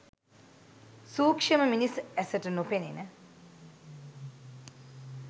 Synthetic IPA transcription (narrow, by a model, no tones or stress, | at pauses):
suːkʂəməminisæsəʈənopenenə